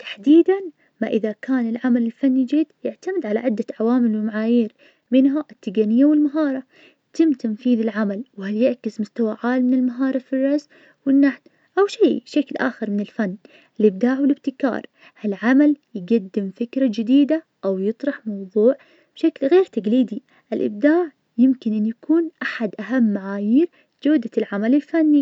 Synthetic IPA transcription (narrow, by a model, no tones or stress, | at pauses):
t̪ḁħd̪iːd̪an | maʔɪðakaːnɪlʕamalɪlfanːijd͡ʒiːd̪jɪʕt̪amɪd̪ʕalaʕɪd̪ːaʕawaːmɪlwɪmaʕaːjiːɾ | mɪnɦaʔɪt̪ːɪɡanɪjːawɪlmaɦɑːɾˤɑ | jt̪ɪmːt̪anfiːðɪlʕamalwhaljɪʕkɪsmʊst̪awaʕaːlmɪnɪlmaɦɑːɾˤɑfirˤːɑz | wɪnːaħt̪ | ʔawʃaːʃaklʔa̰ːxɪɾmɪnɪlfanː | ʔɪlʔɪb̚d̪aːʕwɪlɪb̚t̪ɪkɑ̰ːɾˤ | halʕamaljɪɡad̪ːɪmfɪkɾˤad͡ʒɪd̪iːd̪a | ʔawjɨt̪ˤɾˤɑħmɑwðˤuːʕ | b̥ʃaklɣeːɾt̪aɡliːd̪i | ʔɪlʔɪ̰b̚d̪aːʕ | jɪmkɪnʔɪnjakuːnʔaħad̪ʔaɦamːaʕaːjiːɾ | d͡ʒaːd̪alʕamalɪlfanːi